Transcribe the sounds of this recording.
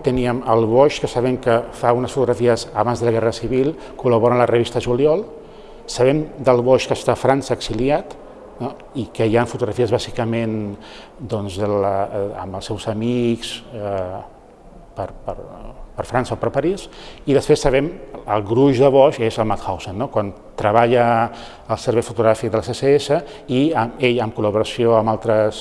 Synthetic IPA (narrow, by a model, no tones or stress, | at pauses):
t̪əniəməlˠβɔʃkəsəβɛŋkəfaunəsfut̪uɣɾəfiəsəβanzðələɣɛrəsiβilˠ | kuləβɔɾənlərəβist̪əʒuliɔlˠ | səβɛmd̪əlˠβɔʃkəst̪afɾansəːksiliat̪ | ikəjaɱfut̪uɣɾəfiəzβazikəmen | d̪ɔnzələə̰mbəlˠsɛwzəmiks | pəɾpəɾpəɾfɾansəopəɾpəɾisiðəspɾesːəβɛməlˠɣɾuʒðəβɔʃezəlˠmat̪xawsenːokwan | t̪ɾəβaʎəː | lˠsəɾβɛjfut̪uɣɾafik̚d̪əlseseesə | iəmeʎəmkuləβuɾəsioəmalˠt̪ɾəs